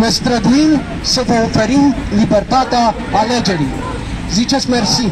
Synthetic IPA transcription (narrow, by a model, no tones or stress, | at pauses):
ʋest̪ɾɐd̪wiːn | sefofɐɾinlibɐɾt̪aːt̪aː | led͡ʒɐɽi | zit͡ʃʰɐsmeɾsi